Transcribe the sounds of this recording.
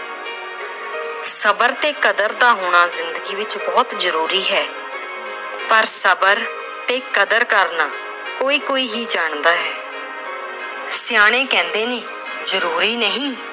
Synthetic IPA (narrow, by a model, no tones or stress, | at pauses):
səbəɾt̪eːkəd̪əɾd̪aːɦoːɽ̃aːzɪnd̪əɡiːʋɪt͡ʃbɔːt̪zəɾuːɾiːɦɛː | pəɾsəbəɾ | t̪eːkəd̪əɾkəɾnaː | koːiːkoːiːɦiːd͡ʒaːɳd̪aːɦɛː | sɪjaːɽ̃ẽːkɛ̃ːnd̪eːneː | zəɾuːɾiːnəɦĩː